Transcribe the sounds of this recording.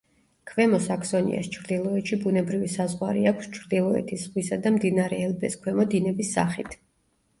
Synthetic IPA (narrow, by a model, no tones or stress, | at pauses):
kʰvɛmɔsaksɔnḭʔa̰st͡ʃʰɾd̪ilˠɔɛt̪ʃibunɛbɾivisazʁwaɾḭakʷʰst͡ʃʰɾd̪ilˠɔɛ̰t̪ʰisʁwisad̪amd̪inaɾɛːlbɛskʰwɛmɔd̪inɛbisːa̰χit̪ʰ